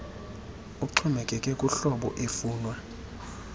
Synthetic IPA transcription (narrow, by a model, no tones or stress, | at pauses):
ukuǀʰɔmɛkʼɛkʼɛkʼuɬɔɓɔ̰ʔefuːnwa